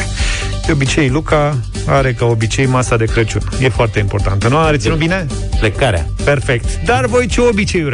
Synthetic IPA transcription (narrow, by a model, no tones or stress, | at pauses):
d̪̥eo̞bit͡ʃe̞jluka | aɾe̞kao̞bit͡ʃe̞jmasad̪e̞kɾət͡ʃunje̞foart̪e̞impo̞rt̪ant̪ənuaɾet̪sinut̪bine̞ | plekaɾea̰pe̞rfe̞kt̪d̪arvo̞jt͡ʃeobit͡ʃe̞ju